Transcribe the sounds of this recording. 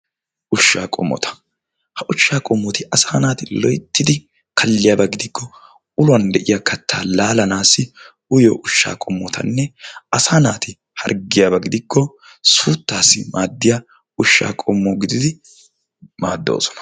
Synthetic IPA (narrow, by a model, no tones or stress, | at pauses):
ʔʊʃːaːkʼɔ̰mːɔ̰t̪ʰɐ̥ | hɐʔʊʃːaːkʼɔmːɔt̪ɪʔɐsaːnaːt̪ɪlɔjt̪ːɪd̪ɪ | kʰɐlːɪjaːbɐɡɪd̪ɪkːɔ | ʊlʊwɐnd̪ɛʔɪjakɐt̪ʰːaːlaːlɐnaːsːɪ | ʊjo̰ːʔʊʃːa̰ːkʼɔmːɔt̪ʰɐ̰nːɛɐsaːnaːt̪ɪ | hɐ̰ɾɡɪjaːbɐɡɪd̪ɪkʰːɔ | suːt̪ːaːsːɪmʔaːd̪ːɪja | ʊʃːa̰ːkʼɔmːoːɡɪd̪ɪd̪ɪ | maːd̪ːo̞̰ːsɔ̥nɐ̥